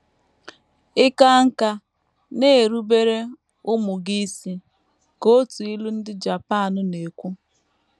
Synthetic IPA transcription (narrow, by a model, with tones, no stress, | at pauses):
ɪ˦ka˦ŋ̩˦ka˦ | ne˦˨ɾu˦be˦ɾe˦ | ʊ˦mʊ˨ɡi˦si˦ | ko˦tu˨i˦lu˦n̩˦dɪ˦d͡ʒa˨pa˦˨nʊ˨ne˨kʷu˦